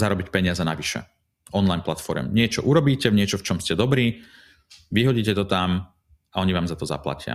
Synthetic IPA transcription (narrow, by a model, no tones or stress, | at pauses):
zaɾɔbicpɛɲɪazɛnaʋiʃɛ̰ | ɔnlajnplat̪fɔɾɛ̰mɲɪɛt͡ʃɔ̰ʔuɾɔbiːcɛvɲɪɛt͡ʃɔft͡ʃɔmscɛd̪ɔbɾiː | ʋiɦɔɟiːcɛt̪ɔt̪am | aɔɲiʋaːmzat̪ɔza̰pla̰cɪa̰